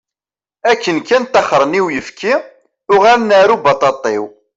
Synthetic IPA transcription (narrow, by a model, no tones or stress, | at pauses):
ækːənkːænt̪ɑχɾˤəniwjəfkʰi | ʊʁælnaɾubɑt̪ˤɑt̪ˤːɪw